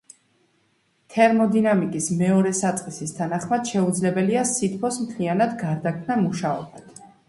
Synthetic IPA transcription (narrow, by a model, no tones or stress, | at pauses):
t̪ʰɛɾmɔd̪inamikʼismɛɔɾɛsat̪sʼqʼisist̪ʰanaχmad̪̥ʃɛud̪zlɛbɛliasit̪̚ʰkʰɔsmt̪ʰlianad̪ɡaɾd̪akʰmnamuʃaɔ̰bat̪ʰ